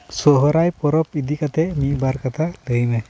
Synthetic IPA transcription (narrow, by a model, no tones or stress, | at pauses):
sɔɦɔɾajpɔɾɔpid̪ikat̪ɛmibaɾkat̪ʰaləjnɛ